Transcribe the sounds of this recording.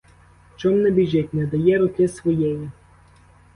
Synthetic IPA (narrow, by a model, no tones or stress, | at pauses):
t͡ʃɔmnɛbʲiʒʲɛtʲnɛd̪ɐjɛɾʊkɪsʋɔjɛji